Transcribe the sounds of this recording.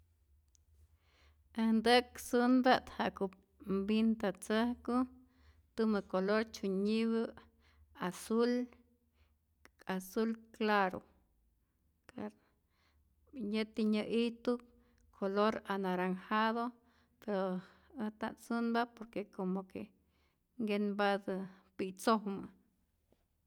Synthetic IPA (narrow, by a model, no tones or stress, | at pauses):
ehnd̪ɨkt͡sɨnbat̪haʔkup̚ | mbint̪at͡sɨhkɨ | t̪umɨkoloɾt͡ʃuɲiβɨ | asul | asulklaɾo̰ | kaɾ | jat̪iɲɨʔiht̪up̚ | kʰoloɾanaɾaŋhaðo | peɾo | ət̪a̰t͡sɨnbapoɾkekomokḛ | ŋɡenbad̪ɨ | pit͡sohmɨ